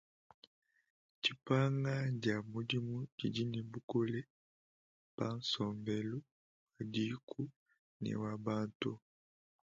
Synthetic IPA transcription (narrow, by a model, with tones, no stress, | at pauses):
t͡ʃi˨pa˦ŋɡa˦ɟa˨mo˨di˦mu˦d͡ʒi˨di˦nɛ˨bu˦ko˦le˦ | b̥a˦n˦sɔ˨mbɛ˨lu˦ | wa˨di˦kʰu˦ | nɛ̰˨wa˨ba˦ntu˦